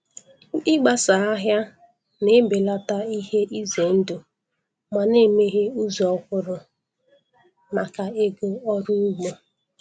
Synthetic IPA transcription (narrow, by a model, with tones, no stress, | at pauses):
ɪ˦ɡ͡ba˨sa˨a˦ɦja˦ | nɪ˦be˨la˦ta˦i˦ɦe˦ʔi˦ze˨n̩˦dʊ˨ | ma˨ne˦˨me˦ɦe˦u˦zɔ˦kʷʊ˦ɾʊ˨ | ma˨ka˨e˦ɡʊ˦ɔ˦ɾʊ˦u˦ɡ͡bo˨